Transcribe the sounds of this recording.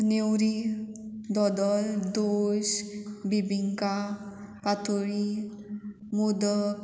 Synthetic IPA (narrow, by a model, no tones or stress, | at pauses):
newɾi | d̪ɔd̪ɔld̪oɕbibiŋka | pat̪ʰuɭi | mud̪ək